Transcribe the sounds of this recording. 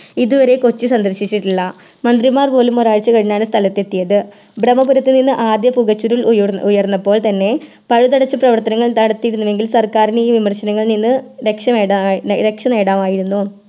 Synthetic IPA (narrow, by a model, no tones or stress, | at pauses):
iðuʋɐɾe̞ko̞t͡ɕːisɐnd̪ɐrɕit͡ɕːiʈːuɭːɐ | mɐnd̪rimaːrpo̞ːlumoraːɻt͡ɕːɨkɐɻiɲaːɳɨst̪ʰɐlɐt̪ːe̞t̪ːijɐðɨ | brɐmɐpuɾɐt̪ːɨninːɨʔaːd̪jɐpuɣɐt͡ɕːuɾilujɐrnːɐpːo̞ːɭt̪ɐnːe̞ | pɐɻut̪ɐɽɐt͡ɕːɨprɐʋɐrt̪ɐnɐŋːɐɭt̪ɐɽɐt̪ːijɾunːuʋe̞ŋɡilsɐrkaːɾiniːʋimɐrɕɐnɐŋːɐɭninːɨɾe̞kʂɐmeːaɾe̞kʂɐneːɽaːmaːjiɾunːu